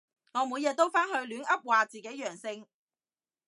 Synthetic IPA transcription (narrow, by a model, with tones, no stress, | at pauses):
ŋɔː˨˧muː˨˧jɛː˨˧t̪o˥wfaː˥nhɵ˧ɥlyː˨˥nʔɐ˥p̚waː˨t͡siː˨ke˨˥jœː˨˩ŋsɪ˧ŋ